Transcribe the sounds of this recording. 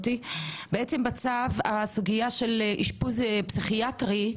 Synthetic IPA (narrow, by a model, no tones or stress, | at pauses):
tibeet͡se̞mbat͡savasuɡijaʃe̞lʔiʃpuzepsiχiatʁi